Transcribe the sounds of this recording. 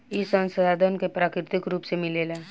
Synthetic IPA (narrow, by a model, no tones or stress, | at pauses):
isə̃nsəd̪ʱaːd̪ʱənkepɾaːkɾɪt̪ɪkɾuːpsemɪleːla